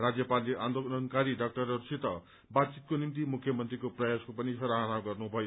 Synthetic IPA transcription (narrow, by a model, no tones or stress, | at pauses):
rad͡zjʌpaliʔand̪olʌnkaɾiɖʌk̚ʈʌɾʌɾusit̪ʌ | bad̪̚t͡sit̪̚konimt̪imukʰːjʌmʌnt̪rikoprʌjaskopʌnisʌɾaɦʌnaɡʌrnubʱʌjo